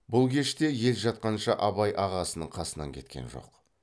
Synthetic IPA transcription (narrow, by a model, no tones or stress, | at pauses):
bʊlˠkʲʰe̞ʃt̪e̞je̞lʒɑt̪̚qɑnʃɑʔɑbɑjʔɑʁɑsənəɴqʰɑsənɑ̰ŋkʲʰe̞̰t̪̚kʲenʒo̞̰q